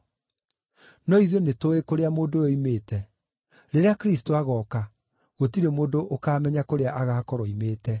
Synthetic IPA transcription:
nɔiðonetoekoɾeamoːdooimeːtɛ | ɾeɾeakɾis̬toaɣɔka | ɣotiɾemoːndoʔokaːmɛɲakoɾeaʔaɣaːkɔɾɔimeːtɛ

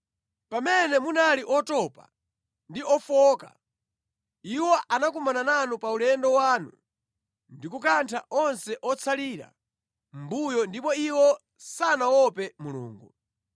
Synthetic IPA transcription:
pamɛnɛmunaliʔɔtɔpa | ndiɔfɔka̰ | iwɔʔanak̬umanananupaulɛndɔwaːnṵ | ndikukantʰaʔɔnsɛʔɔt͡sʰaliɾa̰ | m̩bujɔndipɔiwɔ | sanawɔpɛmulṵːŋɡu

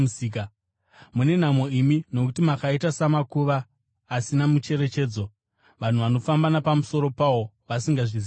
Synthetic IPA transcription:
siːka | mune̞n̤amo̞imino̞kutimakaitasamakuʋaː | sinamut͡ʃe̞ɾe̞t͡ʃe̞ːd͡zo̞ | ʋan̤uʋano̞fambanapamuso̞ɾo̞pawo̞ | ʋasiŋɡaʐiz

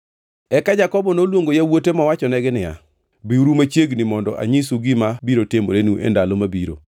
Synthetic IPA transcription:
ɛkad͡ʒakɔbɔnolwoŋɡojawotemawat͡ʃɔnɛɡɪnɪja̰ | biuɾumat͡ʃjeɡnɪmɔndɔ̰ʔa̰ɲisuɡɪmabiɾotɪmo̰ɾenuʔɛ̰ndalomabiɾo̰

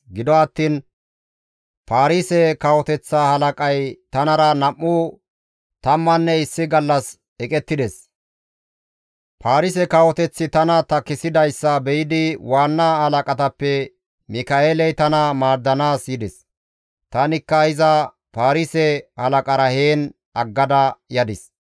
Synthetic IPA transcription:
ɡɪd̪ɔɐt̪ːiːn | paːɾiːsɛkɐwɔt̪ɛt͡sːaːhɐlɐkʼɐjt̪ɐnɐɾɐnɐʔːuː | t̪ɐmːɐnːɛɪsːɪɡɐlːɐs | ɛkʼɛt̪ːɪd̪ɛs | pʰaːɾɪsɛkɐwɔt̪ɛt͡sːɪt̪ɐnɐt̪ɐkːɪsɪd̪ɐjsːɐbɛjɪd̪ɪwaːnːaːhɐlɐkʼɐt̪ɐpːɛ | mɪkɐeːlɛjt̪ɐnɐmaːɾd̪ːɐnaːsjɪd̪ɛs | t̪ɐnɪkːɐɪzɐ | paːɾiːsɛhɐlɐkʼɐɾɐheːn | ɐɡːɐd̪ɐjɐd̪ɪs

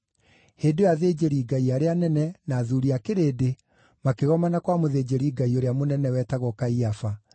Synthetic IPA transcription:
heːdojaðeːd͡ʑeɾiːɡaiaɾeanɛnɛnaːðuɾiakeɾeːde | makeɣɔmanakwamoðeːd͡ʑeɾiːɡaioɾeamonɛnɛwɛːtaɣɔkaiafa

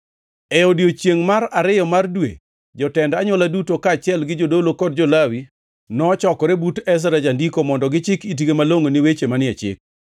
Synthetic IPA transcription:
ɛɔdjot͡ʃjeŋmaɾaɾɪjɔmardwḛ | d͡ʒɔtɛndaɲɔladutokat͡ʃɪɛlɡɪd͡ʒodolokɔd̚d͡ʒɔlawi | nɔt͡ʃɔkɔɾebutɛs̬ɾad͡ʒandikomɔndɔɡɪt͡ʃɪkit̬ɡemaloŋonɪwet͡ʃemanɪɛt͡ʃɪ̰k̚

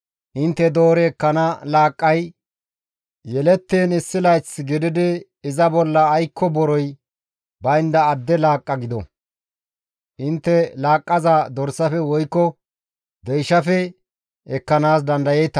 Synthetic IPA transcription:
ʔɪnt̪ːɛd̪oːɾɛːkːɐnɐlaːkʼːɐj | jɛlɛt̪ːeːnɪsːɪlɐjt͡sːɡɪd̪ɪd̪ɪ | ɪzɐbɔlːɐːjkʰːɔbɔɾɔj | bɐjɪnd̪ɐːd̪ːɛlaːkʼːɐɡɪd̪ɔ̰ | ʔɪnt̪ːɛlaːkʼːɐzaːd̪ɔɾsɐfɛwɔjkːɔ | d̪ɛjʃɐfɛ | ɛkːɐnaːs̬d̪ɐnd̪ɐjejt̪ɐ

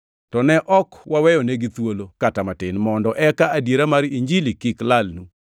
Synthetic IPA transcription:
tɔnɛʔɔkwawɛjɔneɡɪt̪wolokatamatɪnmɔndɔʔɛkaadjeɾamaɾiɲd͡ʒilikɪklalnu

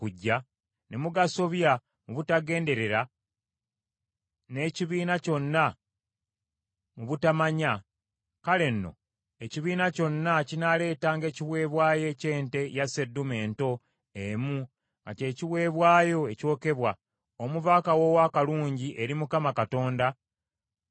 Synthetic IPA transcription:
kuɟːa | nemuɡaso̞βja | muβutaɡe̞ːnde̞ɾe̞ɾa | ne̞ːciβiːnaco̞nːa | muβutamaɲa | kale̞nːo̞̰ | eciβiːnaco̞nːacinale̞ːtaːŋɡe̞ːciβwe̞ːβwaːje̞ce̞ːnte̞jasedume̞ːnto̞ | emu | ŋɡa̰ce̞ːciβwe̞ːβwaːjo̞e̞co̞ːke̞βwa | omuvakawo̞wakaluːɲɟiʔe̞ɾimukamakato̞ːnda

